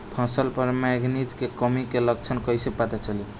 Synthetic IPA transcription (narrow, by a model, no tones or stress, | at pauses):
pʰãsəlpəɾmɛɡnid͡ʒkekəmikeləɡ̚t͡ʃʰənkəjsepat̪et͡ʃəli